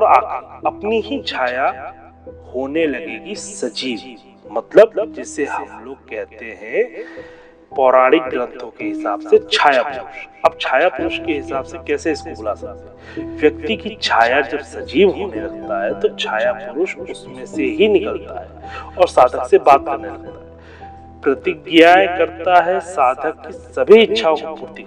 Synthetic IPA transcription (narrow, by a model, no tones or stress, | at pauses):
ɔːɾa̰ːkɐpniɦit͡ʃʰaːja | hoːnelɐɡeːɡisɐd͡ʒiːʋ | mɐt̪ləb̚d͡ʒɛːseɦɐmloːɡ̚kɛɦt̪eɦɛ̃ | pɔːɾaːɽɪk̚ɡɾə̃nt̪ʰõkeɦɪsaːbset͡ʃʰaːjapʊɾʊʃɐb̚t͡ʃʰaːjapʊɾʊʃkeɦɪsaːbsekɛːseɪskobʊla̰ːsɐkt̪e | ʋjɐk̚t̪ikit͡ʃʰaːjad͡ʒɐbsɐd͡ʒiːʋɦoːneɾɐɡt̪aɦɛt̪ot͡ʃʰaːjapʊɾʊʃʊsmẽseɦinɪkəlt̪aɦɛːɔːɾsaːd̪ʱəksebaːt̪̚kɐɾnelɐk̚t̪aɦɛ | pɾɐt̪ɪɡjaekɐɾt̪aɦɛsaːd̪ʱəkːisɐbʱiɪtːʃʰãkopuːɾt̪ik